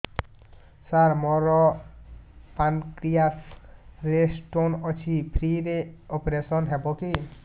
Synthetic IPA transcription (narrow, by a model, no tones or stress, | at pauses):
saɾmɔɾɔ | pankɾijasɾesʈonɔt͡ɕʰipʰɾiɾeɔpeɾesɔnɦɛboki